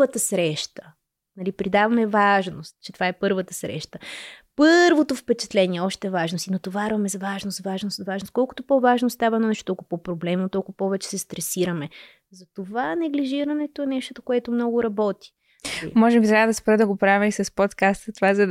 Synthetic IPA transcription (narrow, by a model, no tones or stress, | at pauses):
ət̪əsɾɛʃt̪ə̥ | nɐlipɾid̪avɐmɛvaʒnost̪̚t͡ʃɛt̪ovaɛpɤɾvət̪əsɾɛ̰ʃt̪əpɤɾvot̪ofpɛt͡ʃɛ̥t̪lɛnʲiɛɔʃt̪ɛvaʒnost̪inot̪ovaɾvɐmɛzɐvaʒnosvaʒnost̪vaʒnoskɔlˠkʊ̥t̪opɔvaʒnost̪avɐnonɛʃt̪ot̪ɔlˠkʊpopɾoblɛmnot̪ɔlˠkʊpɔvɛt͡ʃɛ̥sɛst̪ɾɛsiɾɐmɛ | zɐt̪ovanɛɡliʒiɾɐnɛt̪oɛnɛʃt̪ot̪okoɛt̪omnɔɡʊɾɐbɔt̪i̥ | imɔʒɛmt̪ɾʲad̪ɐspɾəd̪əɡopɾavʲɛisɐspot̪kast̪ət̪ovazɐ